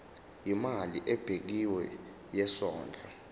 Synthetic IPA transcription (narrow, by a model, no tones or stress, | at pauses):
imaliʔɛb̥ʱek̬iwɛ | jɛsɔːnd͡ɮʱʼa